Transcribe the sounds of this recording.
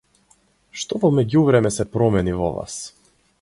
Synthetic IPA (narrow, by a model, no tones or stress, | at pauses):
ʃt̪ɔvɔmɛɟuvɾɛmɛsɛpɾɔmɛnivɔ̰va̰s